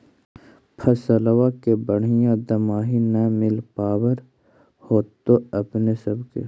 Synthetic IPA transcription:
pʰɐsəlwakebɐɽijãd̪ɐmaːɦinɐmɪlpaːwəɾ | hoːt̪ːoɐpnesɐbkḛ

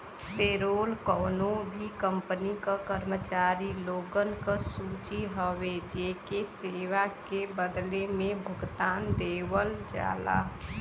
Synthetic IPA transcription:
peːɾoːlkɔːnobʱikə̃mpənikakəɾmət͡ʃaːɾiloːɡənkasuːt͡ʃiɦəʋed͡ʒeːkeseːwakebəd̪lemẽbʱʊɡt̪aːnd̪eːwəld͡ʒa̰ːla̰ː

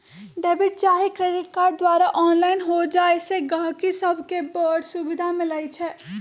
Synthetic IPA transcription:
ɖɛːbɪʈ̚t͡ʃaːɦekɾeɾeʈ̚kaːɾɖ̚d̪waːɾaʔɔːnlaːɪnɦod͡ʒaːeseɡaːkisɐbʱkebɔːɖsubɪd̪ʱamɪlaːit͡ʃʰɛː

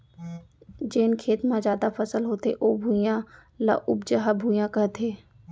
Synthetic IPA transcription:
d͡ʒeːnkʰeːt̪mãzjaːd̪apʰɐsəlɦoːt̪eʔoːbʱuːjãla̰ʔʊbd͡ʒəɦabʱuːjãkɐɦt̪ʰeː

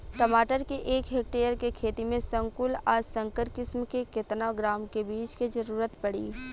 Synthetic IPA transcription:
kɐmaːʈəɾkiʔeːkɦeːk̚ʈeɾjəɾkekʰeːt̪imẽsɐ̃ŋkʊlɔːɾsɐ̃ŋkəɾkɪsmkekɪt̪naɡɾaːmkebiːt͡ʃkid͡ʒɐɾuːɾət̪pɐɽḭː

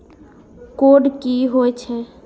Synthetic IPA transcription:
koːɖkiɦoet͡ʃʰɛ

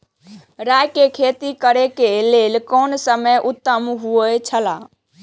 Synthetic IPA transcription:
ɾajkekʰet̪ikəɾɛkelelkɔnsəməjʔut̪ːəmɦuət͡ʃʰəla

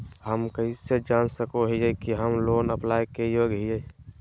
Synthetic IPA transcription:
ɦəmkəɦised͡ʒaːnsəkoɦijəkiɦəmloːnəplaːjkejoːɡɦijə

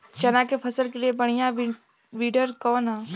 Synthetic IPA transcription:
t͡ʃɐnakepʰɐsəlkeliebɐɽ̃ijã | ʋiːɖəɾkɔːnaː

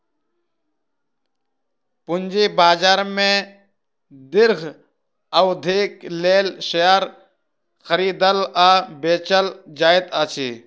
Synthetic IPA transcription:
pʊnʲd͡ʒiːbaːd͡ʒaːɾmẽ | d̪ɪɾɡ | əwd̪ʱeːkleːlʃejaːɾ | xəɾiːd̪əlaːbeːt͡ʃəld͡ʒaːɪt̪aːt͡ʃʰḭː

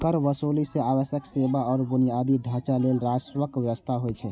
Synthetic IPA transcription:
kəɾʋəsoliseawəsjəksebaɔːɾbuniad̪iɖʱat͡ʃalelɾaswəkwəʋəst̪ʰaɦojt͡ʃʰɛ

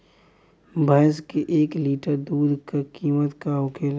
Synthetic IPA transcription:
bʱajskeʔeːkliːʈəɾd̪uːd̪ʱkakiːmət̪kaʊkeːl

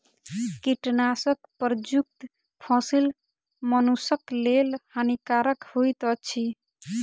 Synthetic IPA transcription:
kiʈnasəkpɾd͡ʒuk̚t̪ | pʰɔ̃sil | mənusəklelhanikaɾəkhojt̪ət͡ʃʰi

